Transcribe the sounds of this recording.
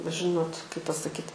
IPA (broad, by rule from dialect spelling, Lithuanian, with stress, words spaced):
bʲɛt ˈʒʲɪnoːt kɐɪp pɐsɐˈkʲiːt